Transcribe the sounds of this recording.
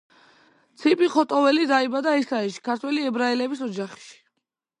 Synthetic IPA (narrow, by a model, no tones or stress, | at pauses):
t̪sʰipʼiχɔt̪ʼɔvɛlid̪aibad̪aɛsaɛʃi̥kʰaɾt̪ʰwɛliɛbɾaɛlɛbisɔd͡ʒaχʃi̥